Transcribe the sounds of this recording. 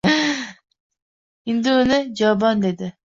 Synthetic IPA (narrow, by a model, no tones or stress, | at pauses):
ind̪ɪunɨd͡ʒɑbɑnd̪ed̪ɪ